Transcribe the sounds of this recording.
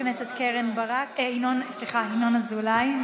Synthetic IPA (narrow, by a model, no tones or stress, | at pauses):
neset̪keʁembaʁakeinonsliχainonazulaj